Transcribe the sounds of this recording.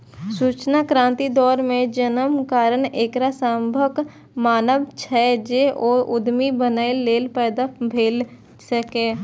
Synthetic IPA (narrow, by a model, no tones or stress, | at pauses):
suːt͡ʃnakɾãːnt̪id̪ɔːɾmẽd͡ʒənəmkaːɾəɳeːkɾasambʱək | maːnəʋt͡ʃʰɛːd͡ʒeʔɔːɾʊd̪mibənaːɪllːeːlpɛːd̪abʱeːl | səkeː